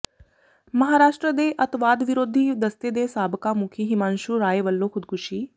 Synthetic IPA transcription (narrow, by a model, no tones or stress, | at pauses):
məɦaːɾaːʃʈɾəd̪eːʔət̪ʋaːd̪ʋɪɾoːd̪ʱiːd̪əst̪ed̪eːsaːbkamʊkʰiːɦɪmãːnʃuːɾaːeʋəlːõːkʰʊd̪kʰʊʃiː